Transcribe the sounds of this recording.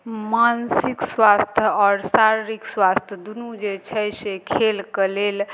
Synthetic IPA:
mansikswast̪ʰjəɔɾsaɾɾikswast̪ʰjəd̪unud͡ʒet͡ʃʰəjsekʰelkəlel

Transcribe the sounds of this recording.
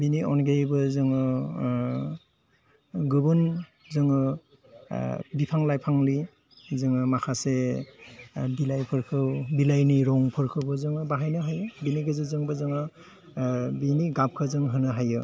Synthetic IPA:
biniɔnɡejbɯzɯŋɯ | ɡɯbɯn | zɯŋɯ | bipʰaŋlajpʰaŋli | zɯŋɯmakʰase | bilajpʰɯɾkʰɯwbilajniɾɔŋpʰɯɾkʰɯwbɯzɯŋɯbaɦajnɯɦajɯbiniɡʰɯzɯzɯŋbɯzɯŋɯ | biniɡap̚kʰɯzɯŋɦɯnɯɦajɯ

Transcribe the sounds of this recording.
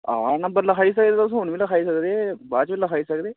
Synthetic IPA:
ãːnə̃mbəɾləkʰaːiːsəkd̪eːt̪sɦʊɳʋĩːləkʰaːiːsəkd̪eːbaːt͡ʃʋiləkʰaːiːsəkd̪eː

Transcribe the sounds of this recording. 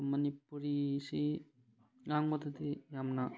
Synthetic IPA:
mɐnipːuɾisi | ɡaŋbɐt̪ɐt̪ijamna

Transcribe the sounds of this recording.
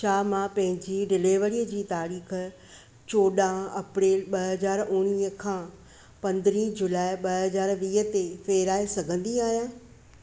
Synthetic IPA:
ʃaːmãpɐ̃ɦɪ̃ɲd͡ʑiɖɪleːʋəɽiːəd͡ʑiːt̪aːɾiːx̆ | t͡ɕoːɗãɐpɾeːlɓɐɐzaːɾʊɽ̃iːɦəkʰãː | pɐ̃nd̪ɪɾiːd͡ʑʊlaːeɓɐɦɐzaːɾʋiːɦət̪efeːɾaːesɐɡʱə̃nd̪iaːɦijãː

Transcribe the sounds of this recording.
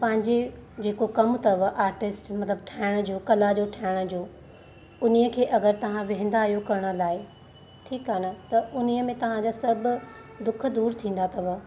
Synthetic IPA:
pɐ̃ɦɪ̃ɲd͡ʑed͡ʑeːkokɐmt̪ɐʋəʔaːɾʈɪsʈmɐt̪ləbʈʰaːɪɽ̃ə̆d͡ʑoːkɐlad͡ʑoʈʰaːɪɽ̃ə̆d͡ʑoː | ʊnijəkʰeːʔɐɡəɾt̪ɐʋ̤ãʋɪ̃ɦɪ̃nd̪aːɦijokɐɾəɽ̃ə̆laːɪ | ʈʰiːkaːnət̪ɐʊniəmẽt̪ɐʋ̤ãd͡ʑaːsɐbʊ̆d̪ʊk̆ʰd̪uːɾt̪ʰĩːn̆d̪at̪ʰɐʋə

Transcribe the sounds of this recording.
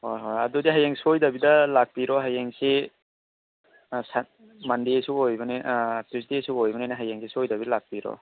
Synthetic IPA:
hojɦojadudiɦajeŋsojdabidɐlak̚piɾɔɦajeŋsi | sa | mandiesuojbɐnitɾistisuojbɐnajnaɦajeŋsisojdabilak̚piɾɔ̰

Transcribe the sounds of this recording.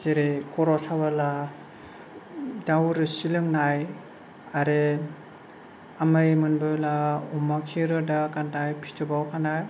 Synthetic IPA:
zeɾikʰɔɾɔsabala | dawɾɯsilɯŋnaj | aɾe | amɯjmɯnbɯlaumakʰiɾɯdakantajpʰi̥tʰɯbawkʰanaj

